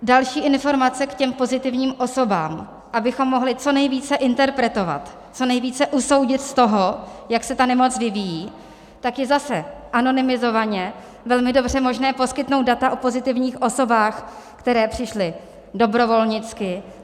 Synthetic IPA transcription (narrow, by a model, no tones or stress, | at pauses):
dalʃiːʔɪnfo̞ɾmat͡sɛkcɛmpo̞zɪt̪ɪvɲiːmʔo̞so̞ba̰ːm | ʔabɪxo̞mːo̞ɦlɪt͡so̞nɛjviːt͡sɛʔɪnt̪ɛɾpɾɛt̪o̞va̰t̪ | t͡so̞nɛjviːt͡sɛʔuso̞wɟɪt̪st̪o̞ɦojaksɛt̪anɛmo̞t͡svɪvijiː | t̪akjɛzasɛʔano̞nɪmɪzo̞vaɲɛ | vɛlmɪdo̞br̝ɛmo̞ʒnɛːpo̞skɪt̪nowtd̪̚dat̪aʔopo̞zɪt̪ɪvɲiːxʔo̞so̞baːxkt̪ɛɾɛːpr̝̥ɪʃlɪ | do̞bɾo̞vo̞lɲɪt͡skɪ